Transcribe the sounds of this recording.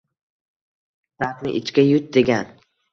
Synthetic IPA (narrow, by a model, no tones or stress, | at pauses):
saɾt̪nɪ̰ʔɪt͡ʃkʲajʊt̪̚d̪e̞ɡʲan